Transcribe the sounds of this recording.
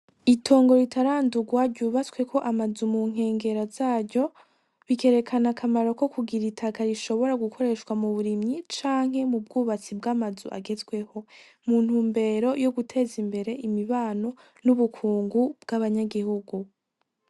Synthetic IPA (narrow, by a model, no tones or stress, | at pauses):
itʰo̞ːŋɡo̞ɾitaɾaːnduɡwaɟuːβaswe̞kʰo̞ʔamazumuŋ̥e̞ːŋɡe̞ɾazaːɾɟo̞ | βike̞ɾe̞kʰanakʰamaɾo̞ko̞kuɡiɾitʰakʰaɾiʃo̞βo̞ɾaɡukʰo̞ɾe̞ʃkwamuβuɾimɲit͡ʃaːŋ̥he̞mub̚ɡuːβat͡sibɡaːmazuʔa̰ɡe̞zɡwe̞ho̞ | muːn̥huːmbe̞ɾo̞jo̞ɡutʰe̞zimbe̞ɾe̞ʔimiβaːno̞ | nuβukʰuːŋɡubɡaβaɲaɡihuɡu